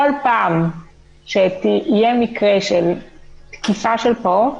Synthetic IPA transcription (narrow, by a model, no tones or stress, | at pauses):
kolpaːm | ʃet̪iːjemikʁeʃelt̪kifaʃelpo